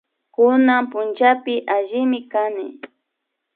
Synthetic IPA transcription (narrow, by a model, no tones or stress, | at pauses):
kʊnampʊnt͡ʃapɪʔaʒɪmɪkanɪ